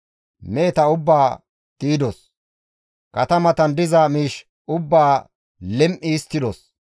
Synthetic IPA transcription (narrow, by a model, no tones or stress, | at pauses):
meːt̪ɐʊbːaː | t̪iːd̪ɔs | kɐt̪ɐmɐt̪ɐnd̪ɪzɐmiːʃ | ʊbːaː | lɛmʔiːst̪ːɪd̪ɔs